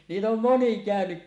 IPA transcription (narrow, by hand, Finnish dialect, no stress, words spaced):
niːt om moni kæˑønyk